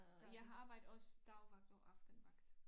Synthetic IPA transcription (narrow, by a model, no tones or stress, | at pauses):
jɑ̈ɪɦɑ̈ɑ̈ːb̥ɑ̈ɪ̰d̥̩ˠɔ̽sd̥ɑ̈ʊʋɑ̈ɡ̥̚d̥ɒʔɑ̈fd̥ən̩ʋɑ̈ɡ̥d̥